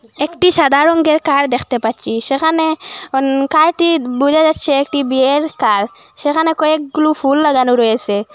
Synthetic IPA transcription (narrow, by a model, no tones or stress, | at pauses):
ekʈiʃad̪aɾɔŋɡeɾkaɾd̪ekʰt̪epatt͡ʃʰiʃekʰanenkaɾʈibud͡ʒad͡ʒatːʃʰeːkʈibieɾkaɾ | sekʰanekɔek̚ɡulupʰulːəɡanuɾɔjese